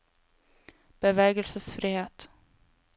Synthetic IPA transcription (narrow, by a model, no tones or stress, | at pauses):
b̥ɛvɛːɡəlsəsfɾiːheːt̪